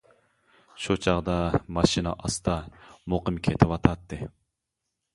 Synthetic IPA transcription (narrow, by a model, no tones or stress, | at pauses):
ʃut͡ʃʰɑʁd̪ɑmɑʃinɑ̰ʔɑst̪ɑmoqəmkʲʰet̪ʰɪwɑt̪ʰɑt̪ʰːɨ